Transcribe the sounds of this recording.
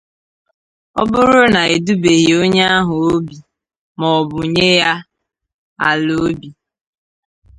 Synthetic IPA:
ɔ̰˦bʊ˦ɾʊ˦na˨e˨du˦be˨ɣi˨o˦ɲe˦a˦ɦʊ˨o˦bi˨ | mɔ˨ɔ˨bʊ˨ɲe˦ja˦ | a̰˨lo˨˦bi˨

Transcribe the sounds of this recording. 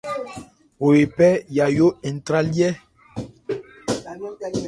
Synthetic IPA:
o˨je˨pɛ˦ja˨jo˦ɛ˨n˨tɾa˦ljɛ˦

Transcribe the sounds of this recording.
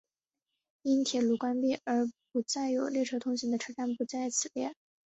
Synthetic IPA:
i˥nt̪ʰjɛ˧˩lu˧˥kwa˥npi˥˩ə˞˧˥pu˧˩t͡sa˥˩ɪjo˨˩ʊljɛ˥˩ʈ͡ʂʰɤ˧˥t̪ʰʊ˥ŋɕi˧˥ŋd̪ə˧ʈ͡ʂʰɤ˧˥ʈ͡ʂa˥˩npu˨˧˥t͡sa˥˩ɪt͡sʰɹ̩˨˩ljɛ˥˩˦n

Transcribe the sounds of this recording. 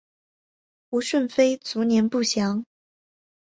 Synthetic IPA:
u˧˥ʂwə˥˩nfe˥ɪt͡su˧˥njɛ˧˥npu˥˩ɕjɑ˧˥ŋ

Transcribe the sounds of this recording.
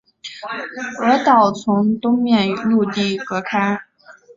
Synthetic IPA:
ɤ˧˥t̪ɑ˨˩ʊt͡sʰʊ˧˥ŋt̪ʊ˥ŋmjɛ˥˧nlu˥˧t̪i˥˩kɤ˧˥kʰa˥ɪ

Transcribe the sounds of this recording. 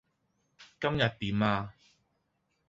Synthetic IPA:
kɐ˥mjɐ˨t̚t̪iː˨˦maː˧

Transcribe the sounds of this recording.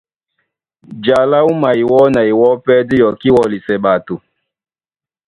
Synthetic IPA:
d͡ʒa˨la˦u˦ma˨i˨wɔ˦na˨i˨wɔ˦pɛ˦di˦jɔ˨ki˦wɔ˨li˨sɛ˨ɓa˨tu˨

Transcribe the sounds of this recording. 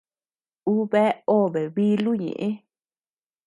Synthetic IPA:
u˦be˦o˦˨βe˨βi˦lu˦ɲḛ̃˨ʔe˦

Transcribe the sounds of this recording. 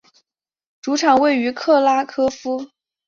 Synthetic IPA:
ʈ͡ʂu˧˥ʈ͡ʂʰɑ˨˩ŋwe˥˩ɪy˧˥kʰɤ˥˩la˥kʰɤ˥fu˥

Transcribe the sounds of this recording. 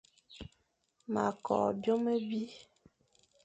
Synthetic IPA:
ma˨kɔ̰˨bjo˦mə˦bi˦

